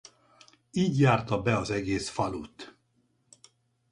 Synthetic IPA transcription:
iːɟjaːrt̪ɒbɛɒzɛɡeːsfɒlut̪

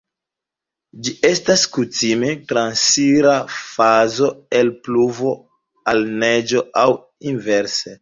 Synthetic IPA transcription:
d͡ʒie̞staskutime̞tɾansiɾafazo̞elpluvo̞ | alned͡ʒo̞aw | inveɾse

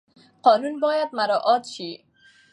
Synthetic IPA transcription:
qɔnunbɔjad̪maɾɔʔɔt̪ʃi

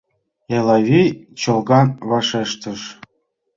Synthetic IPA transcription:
elɑβʲit͡ɕɤ̆lɣɑnβɑʃeʃt̪ə̆ʃ

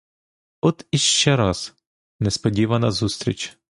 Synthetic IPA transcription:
ɔt̪iʃt͡ʃɛɾɑz̥ | nɛspɔdʲiʋɐnɐzust̪ɾʲḭt͡ʃ

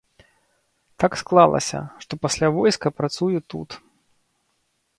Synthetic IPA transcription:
t̪aksklˠalˠɐ̰sʲɐ̰ʂt̪ɔpasʲlʲavɔjskɐpɾat̪sujut̪ṵt̪

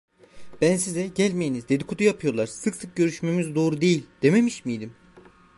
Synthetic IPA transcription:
b̥ænsizɛɟælʲmejinizd̪e̞d̪ikʰut̪ʰujapʰɯjo̞lˠaɾsɯksɯk̚ɟø̞ɾyʃme̞mizd̪o̞ːɾud̪e̞jilʲd̪̥e̞me̞miʃmijd̪im

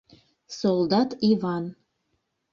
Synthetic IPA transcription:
solˠd̪ɑt̪ivɑn

